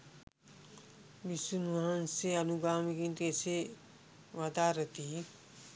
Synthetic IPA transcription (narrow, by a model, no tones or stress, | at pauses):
bisunuʋaãnseɐnuɡaːmiɡint̪ese | ʋɐd̪aːɾət̪i